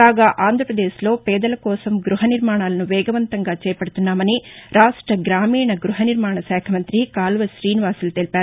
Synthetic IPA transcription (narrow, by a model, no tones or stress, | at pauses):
kaːɡaːʔaːnd̪ʱɾɐpɾɐd̪eːʃlo̞ːpɛːd̪ɐlɐkɔːsɐmɡɾuɦɐniɾmaːɳaːlɐnuʋɛːɡɐʋɐnt̪ɐŋɡaːt͡ʃɛːpɐɽut̪unːaːmɐniɾaːʂʈɾɐɡɾaːmiːɳɐɡɾuɦɐniɾmaːɳɐsɛːkʰɐmɐnt̪ɾikaːlʋɐʃɾiːniʋaːsilɐt̪elipaːɾ